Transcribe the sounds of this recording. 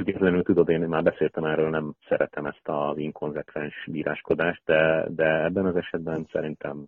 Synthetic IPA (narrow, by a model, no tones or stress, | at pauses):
uɟɛt̪lɛnylt̪ud̪o̞d̪eːnmaːrbɛseːlt̪ɛmɛrøːlnɛmsɛɾɛt̪ɛmɛst̪ɒziŋko̞nzɛkʋɛnʃbiːɾʔa̰ːʃko̞d̪aːʃt̪̚d̪ɛd̪ɛɛbːɛnɒzɛʃɛd̪bɛnsɛ̰ɾint̪ʰɛm